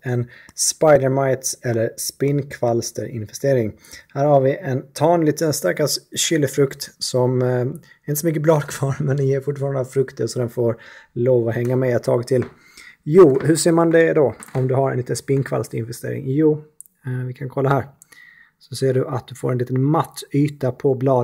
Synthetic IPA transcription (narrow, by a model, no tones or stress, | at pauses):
ɛnspajd̪əɾmajt̪sɛlːəɾspɪnːkʰvalst̪ə̰ɾɪnvɛst̪eːɾɪŋ | hæːɾhaɾvɪʔɛnt̪ʰɑːnliːt̪ənst̪aɾkasɕʏlːəfɾɵkt̪sɔm | ɛɾɪnəsɔmʏkːəblɑːd̪kʰvɑːɾmɛnd̪ɪjeːɾfʊʈːfɑːɾand̪əfɾɵkt̪ʰəɾsɔd̪ɛnfoːɾloːvɔhɛŋːamɛɛt̪ʰːɑːɡt̪ʰɪl | juːhɵʂeːɾmand̪ɛd̪ɔɔmd̪ɵhaɾɛ̰nliːt̪ənspɪnkʰva̰lst̪əɾɪ̰nvɛst̪ḛːɾɪ̰ŋjuː | vɪkʰankʰɔlːahæːɾ | sɔseːɖɵʔat̪̚d̪ɵfo̰ːɾɛnliːt̪ənmat̪ːyːt̪apʰɔblɑː